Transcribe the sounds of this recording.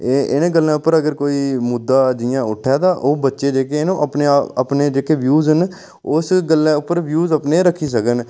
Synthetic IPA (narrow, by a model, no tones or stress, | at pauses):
eɪnẽːɡəlːãːʊpːəɾəɡəɾkoːiːmʊd̪ːaːd͡ʒɪjãːʊʈʰːɛːt̪aːʔoːbətːʃeːd͡ʒeːkenõːʔəpneːəpneːd͡ʒeːkeːʋjuːzɦən | ʊsɡəlːẽːʊpːəɾʋjuːzəpneːɾəkʰːiːs̬əkən